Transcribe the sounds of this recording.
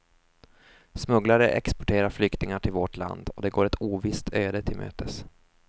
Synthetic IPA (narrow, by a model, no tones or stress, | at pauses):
smɵɡlaɾəʔɛ̰kspɔʈʰeːɾaɾflʏkt̪ɪŋaʈʰɪlvɔʈʰla̰nd̪ɔd̪ɛɡoːɾɛt̪ʰuːvɪst̪ʰøːd̪ət̪ʰɪlmʔø̰ːt̪ʰəs